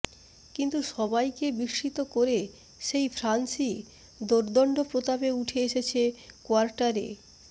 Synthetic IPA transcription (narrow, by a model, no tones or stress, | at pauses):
kint̪uʃɔbajkebiʃːit̪okoɾe | ʃejfʰɾansi | d̪oɾd̪ɔɳɖopɾot̪abeuʈʰeeʃet͡ɕʰekoaɾʈaɾḛ